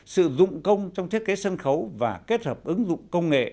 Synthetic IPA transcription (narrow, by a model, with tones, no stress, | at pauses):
sɨ̰˧˨zʊ̰˧˨ŋ͡mkə˧wŋ͡mt͡ɕɔ˧wŋ͡mt̪ʰi˦˥t̚ke˨˦sə˧nxə˨˦wvaː˨˩ke˦˥t̚həː˨˩p̚ʔɨ˨˦ŋzʊ̰˧˨ŋ͡mkə˧wŋ͡mŋḛ˧˨